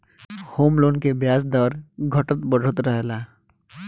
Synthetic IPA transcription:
hoːmloːnkebjaːsd̪əɾɡʱəʈət̪bəɽʱɽət̪ɾəɦlaː

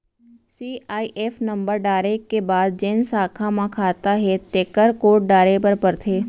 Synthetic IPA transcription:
siːaːiʔeːfnə̃mbəɾɖaːɾekebaːd̪̚d͡ʒensaːkʰãmãkʰaːt̪aɦɛt̪eːkəɾkoːʈ̚ɖaːɾepəɾpəɾt̪ʰeː

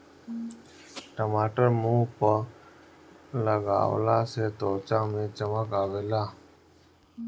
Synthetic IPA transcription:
ʈəmaːʈəɾmũːpə | ləɡa̰ːʋlaːseːt̪oːt͡ʃãːmẽːt͡ʃəməkaːʋeːlaː

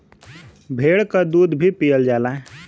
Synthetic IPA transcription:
bʱeːɽkad̪uːd̪bʱipijəld͡ʒaːlaːe

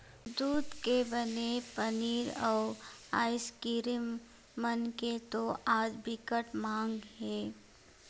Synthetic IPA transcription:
d̪uːd̪kebənepəniːɾɔːɾaːɪskɪɾɪː | ənket̪oʔaːd͡ʒbɪkəʈmãːŋɡɦɛː

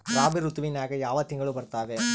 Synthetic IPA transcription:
ɾaːbɪɾut̪ːuʋɪnaːɣɐjaːʋɐt̪ːɪŋɡɐɭɯpɐɾt̪aːʋeː

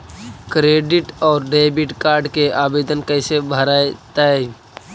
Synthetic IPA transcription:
kɾeɖiʈɔːɾɖebiʈkaɾɖkeʔabed̪ənkəɪsebʱəɾaet̪ae

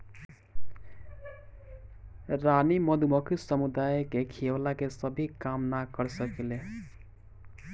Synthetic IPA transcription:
ranimʌd̪ʱumʌkʰisʌmud̪ajkekʰiwlakesʌbʱikamnaɡʌɾsʌkile

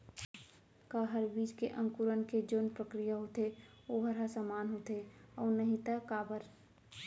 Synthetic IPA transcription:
kaɦəɾbiːd͡ʒkeʔə̃ŋkuɾənked͡ʒoːnpɾəkɾijaɦot̪e | oɦɐɾasamaːnɦot̪eɔːnəɦĩt̪akaːbəɾ

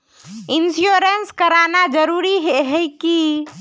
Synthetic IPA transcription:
ɪnsjoɾenskəɾanad͡ʒəɾuɾiɦeɦɛjki

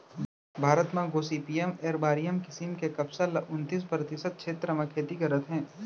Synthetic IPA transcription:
bʱaːɾət̪mãɡoːsiːpiːɛmeːɾbaːɾijəmkɪsimkekɐpsalɐʔʊnt̪iːs̬pɾət̪ɪsət̪̚ʃʰeːt̪ɾəmakʰeːt̪ikɐɾət̪ɦɛ̃ː

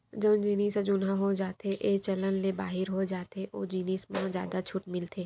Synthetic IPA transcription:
d͡ʒəbnd͡ʒiːniːsad͡ʒʊnãɦod͡ʒaːt̪eʔeːt͡ʃɐlənlebaːɦɪɾɦod͡ʒaːt̪eʔoːd͡ʒiːniːsmãd͡ʒja̰ːd̪at͡ʃʰʊʈmɪlt̪ʰeː

